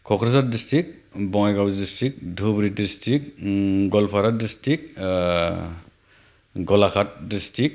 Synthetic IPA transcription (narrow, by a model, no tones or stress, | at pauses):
kʰɔkʰɾas̬at̚distɹik̚ | bɔŋajɡawzdistɾik̚dʱubɾidistik̚ɡɔlpʰaɾat̚distik̚ | ɡɔlakʰat̚distik̚